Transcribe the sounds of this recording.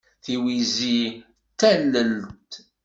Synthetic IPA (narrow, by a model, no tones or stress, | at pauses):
θiwizi | t̪ːælːəlt̪